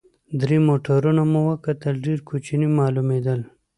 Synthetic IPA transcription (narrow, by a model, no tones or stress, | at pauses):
d̪ɾimoʈaɾunamuwəkat̪əlɖeɾkʰut͡ʃinimɑlumed̪əl